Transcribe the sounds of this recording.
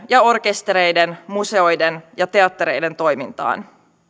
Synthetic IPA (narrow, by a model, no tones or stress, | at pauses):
jɑo̞rk̟e̞st̪eɾejdenmuse̞o̞jdenjɑt̪e̞ɑt̪ːeɾe̞jde̞nt̪o̞jmint̪ɑ̰ːn